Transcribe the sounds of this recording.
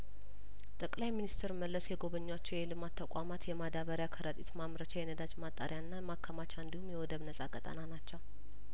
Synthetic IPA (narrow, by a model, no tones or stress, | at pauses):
t̪ʼəkʼlajminist̪ʰɾməlːəsjɛɡo̞βəɲːwat͡ʃːɛwjɛlɨmat̪ʰːəkʷʼamat̪jɛmad̪aβəɾjakʰəɾət̪ʼit̪mamɾət͡ʃajɛnəd̪at͡ʃmat̪ʼːa̰ɾjaɨnːamakʰːəmat͡ʃʰaɨnd̪ihumːjɛwɔd̪əβnəsʼakʼət̪ʼə̰nanat͡ʃːɛw